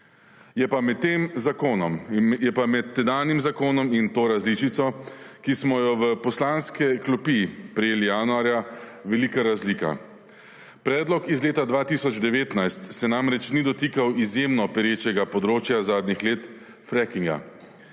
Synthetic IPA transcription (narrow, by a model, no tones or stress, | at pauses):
jɛpamɛt̪ːeːmzakoːnɔmjɛpamɛt̪ːɛd̪aːnimzakoːnɔmint̪oːɾazlit͡ʃit̪sɔkismɔjɔʋəpɔslanskɛklɔpipɾɛjeːlijaːnuaːɾjaʋɛliːkaɾazliːka̰ | pɾɛːd̪lɔkizleːt̪ad̪ʋaːt̪isɔd͡ʒd̪ɛʋeːt̪najst̪sɛnaːmɾɛt͡ʃnid̪ɔt̪iːkawizjemnɔpɛɾjeːt͡ʃɛɡapɔd̪ɾoːt͡ʃjazaːd̪nixleːt̪ | fɾɛkiŋɡa̰